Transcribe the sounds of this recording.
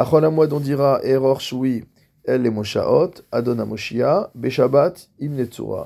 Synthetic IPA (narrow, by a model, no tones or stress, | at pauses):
aχɔlamwad̪ɔ̃d̪iʁaʔeʁɔʁʃwi | ɛlːemɔʃa̰ʔɔt̪ad̪ɔnamɔʃiabeʃabat̪imnet͡sṵʁa̰